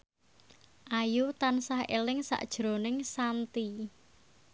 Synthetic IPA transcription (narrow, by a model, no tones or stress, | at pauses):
ʔajut̪ansahḛlɪŋsa̰ʔd̥ʒ̥ɾo̤nɪŋsant̪i